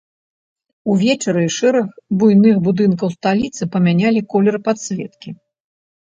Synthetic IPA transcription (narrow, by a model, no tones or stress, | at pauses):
uvʲɛt͡ʂɐɾɨiʂɛɾɐxbujnɨxbud̪ɨnk̬ɐwst̪alʲit̪sɨpɐmʲanʲalʲikɔlʲɛɾpat̪sʲlʲɛ̰t̪kʲi